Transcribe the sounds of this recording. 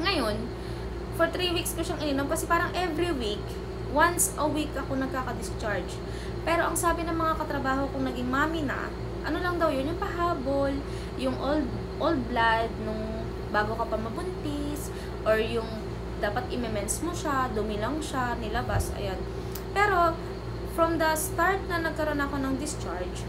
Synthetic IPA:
ŋɐjo̞n | foɹt̪ɾiwikskʊʃaŋʔɪnɪno̞mkɐsɛpaːɾɐŋʔɛvɾiwik | wansʔɐwikʔɐkonɐɡ̚kaːkɐd̪ɪst͡ʃaɹd͡ʒ | pɛːɾo̞ʔɐŋsaːbɪnɐŋmɐŋakɐt̪ɾɐbaːɦo̞kʊŋnɐɡɪŋmaːmɪnɐ̰ | ʔɐ̰nolɐŋd̪ɐwjonjʊŋpɐɦaːbo̞l | jʊŋʔold̪̚ | ʔold̪̚blad̪̚nʊŋ | baːɡokɐpɐmɐbʊnt̪ɪ | s | ʔoɹjʊŋ | d̪aːpɐt̪̚ʔɪmɛmɛnsmoʃad̪ʊmɪlɐŋʃanɪlɐbasʔɐ̰jon | pɛːɾo̞ | fɾomd̪ɐst̪aɹt̪̚nɐnɐɡ̚kɐɾo̞nɐko̞nɐŋd̪ɪst͡ʃaɹd͡ʒ

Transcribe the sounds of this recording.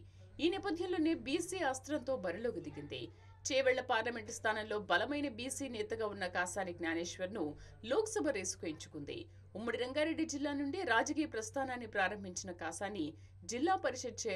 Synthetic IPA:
iːnɛːpɐd̪ʱjɐnlo̞ːneːbiːsiːaːst̪ɾɐnt̪o̞ːbɐɾilo̞ːɡud̪iɡind̪ḭ | t͡ʃɛːʋɛɭːɐpaːɾlɐme̞ɳʈst̪ʰaːnɐmlo̞ːbɐlɐmɐjnɐbiːsiːnɛːt̪ɐɡaːunːɐkaːsaːniɡnaːneːʃʋɐɾnu | loːksɐbʱɐɾeːsu̥koːjiɲt͡ʃu̥kund̪ḭ | umːɐɽiɾɐŋɡaːɾeɖːid͡ʒilːaːnuɳɖiɾaːd͡ʒɐk̬iːjɐpɾɐst̪ʰaːnaːnːipɾaːɾɐmbʱiɲt͡ʃinɐkaːsaːnːi | d͡ʒilːaːpɐɾiʂɐd̪̚t͡ʃeː

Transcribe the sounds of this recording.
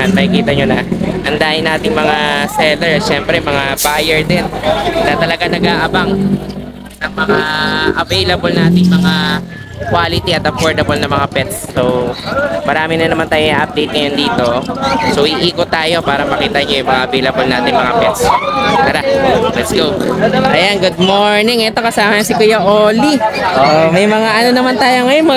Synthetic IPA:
anmɐkɪkiːt̪ɐɲonɐʔɐnd̪aːʔɪnaːt̪ɪŋmɐŋasɛlɛɹʃɛmpɾɛmɐŋabaːjɛɹd̪ɛnnɐt̪ɐlɐɡanɐɡaːʔɐbaŋ | nɐŋmɐŋaʔɐvejlɐbolnaːt̪ɪŋmɐŋa | kwaːlɪt̪iɐt̪ɐpoːɹd̪ɐbolnɐmɐŋapɛt̪sːow | mɐɾaːmɪnɐnɐmant̪aːjoŋaːʔɐp̚d̪ejt̪̚ŋɐjond̪iːt̪o̞sowʔiʔiːkot̪ːaːjo̞paːɾɐmɐkiːt̪ɐʔɲojʊŋmɐŋaʔɐvejlɐbolnaːt̪ɪŋmɐŋapɛt̪spɐɾalɛt̪sɡowʔɐjanɡʊd̪̚moɹnɪŋʔɛt̪o̞kɐsaːmɐsɪkʊjɐʔoːliʔoːʔmɐjmɐŋaʔɐno̞nɐmant̪aːjoŋɐjonmɐ

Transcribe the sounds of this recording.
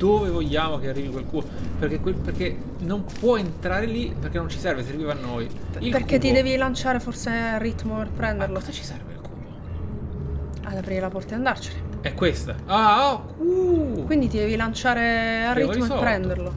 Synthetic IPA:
d̪̥oːvevoʎːaːmokearːiːvikwelku | perkekweperk̟e | nompwɔent̪ɾaːɾelipeɾrk̟enːõnt͡ʃi̥sɛrveserviːvanːojilperkkett̪ːid̪ɛːvilant͡ʃaːɾeforsearːit̪ːmoperpɾɛnd̪erlost͡ʃi̥sɛrvḛlkṵ | ad̪apɾiɾelapɔrt̪ad̪and̪art͡ʃeleɛkːwest̪aakukwind̪it̪id̪ɛːvilant͡ʃaːɾearːit̪moepːɾɛnd̪erlo

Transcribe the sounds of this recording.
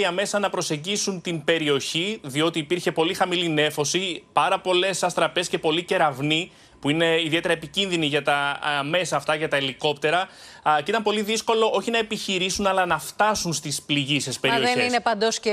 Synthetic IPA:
iɐme̞sɐnɐpɾo̞se̞ɲɟisunt̪inbe̞ɾio̞çiðio̞t̪iːpiɾçe̞po̞lixɐmiline̞fo̞sipɐɾɐpo̞le̞sɐst̪ɾɐpe̞sce̞po̞lice̞ɾɐvni | puine̞iðie̞t̪eɾɐepicinðiniʝɐt̪ɐme̞sɐːft̪ɐʝɐt̪ɐeliko̞pt̪e̞ɾɐceit̪ɐmpo̞liðisko̞lo̞ʔo̞çinɐe̞piçiɾisunɐlɐnɐft̪ɐsunst̪ispliʝisespe̞ɾioeçeisnepɐnd̪osce

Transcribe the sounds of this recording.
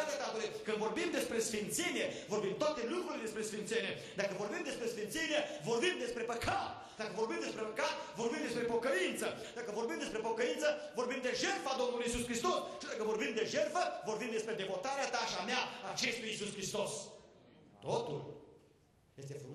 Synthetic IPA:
t̪at̪ap̪od̪ekɨnvorbimd̪espɾesfint̪senievorbimt̪at̪elukɾuled̪espɾesfint̪senʲe | d̪akəvorbimd̪espɾesfint̪senievorbimd̪espɾepəkʰat̪ | d̪̥akəvoɾbimd̪espɾepəkat̪̚voɾrbimd̪espɾepokəint̪sə | d̪akəvorbimd̪espɾepokəint̪səvorbimd̪eʒerfad̪omnuluisuskɾist̪ost͡ʃid̪akəvorbimd̪eʒerfəvorbimd̪espɾed̪evot̪aɾeat̪aʃiamjaat͡ʃest̪ujisuskɾist̪os | t̪ot̪ṵl | jest̪efɾu

